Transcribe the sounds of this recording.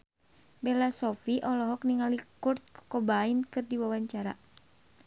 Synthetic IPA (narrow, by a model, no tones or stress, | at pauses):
bɛlasɔfiʔɔlɔɦɔk̚niŋalikurt̪̚kobainkɨrdiwawaɲt͡ʃaɾa̰